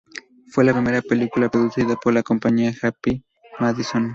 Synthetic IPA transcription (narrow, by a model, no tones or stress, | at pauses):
fwelapɾime̞ɾapelikulapɾoðuθiðapoɾlako̞mpaɲiaxapi | maðison